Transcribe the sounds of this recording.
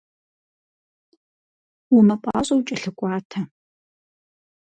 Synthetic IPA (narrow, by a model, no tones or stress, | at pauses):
wʊmɐpʷʼɑ̰ːɕʼɐwt͡ʃʼɐɬɨkʷʼɑːtʰɐ